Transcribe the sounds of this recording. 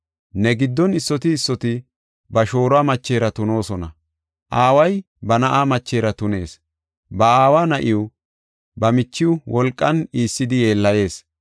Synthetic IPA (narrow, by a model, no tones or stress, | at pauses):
nɛɡɪd̪ːɔnɪsːɔt̪ɪːsːɔt̪ɪ | bɐʃo̞ːɾʊaːmɐt͡ʃːe̞ːɾɐt̪ʊno̞ːsɔnɐ | ʔaːwɐj | bɐnɐʔaːmɐt͡ʃːe̞ːɾɐt̪ʊne̞ːs | bɐaːwaːnɐʔɪʊ | bɐmɪt͡ʃːɪʊwɔlkʼːɐniːsːɪd̪ɪje̞ːlːɐje̞ːs